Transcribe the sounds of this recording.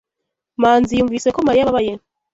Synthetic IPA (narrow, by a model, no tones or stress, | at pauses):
maːnzijuːɱviːsekomaɾijaβaβaje